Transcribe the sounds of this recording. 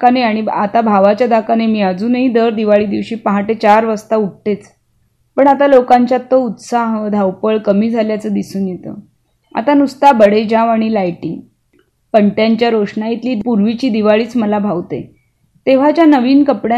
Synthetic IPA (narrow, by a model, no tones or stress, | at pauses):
kaneaɽ̃ia̰t̪abʱaʋat͡ɕjad̪akanemiːad͡zuːnɦiːd̪əɾd̪iʋaɭiːd̪iʋɕiːpaɦaʈet͡ɕaɾʋəst̪auʈ̚ʈet͡s | pəɳat̪alokaɲt͡ɕjat̪ːout̪saɦəd̪ʱawpəɭkəmiːd͡zʱaljat͡səːd̪isuːnjet̪ə̰ | a̰t̪anust̪abəɽed͡ʑãʋaɽ̃ilajʈiŋ | pəɳʈjaɲt͡ɕjaɾoʂɳait̪liːpuɾʋit͡ɕiːd̪iʋaɭiːt͡sməlabʱaʋt̪ḛ | t̪eʋ̤at͡ɕjanəʋiːnkəpɽja